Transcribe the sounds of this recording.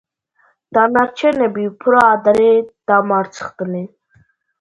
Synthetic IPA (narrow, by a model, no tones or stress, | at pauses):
d̪̥anaɾt͡ʃʰɛnɛbipʰɾɔad̪aɾɛd̪̥amaɾt͡sʰə̥χt̪əni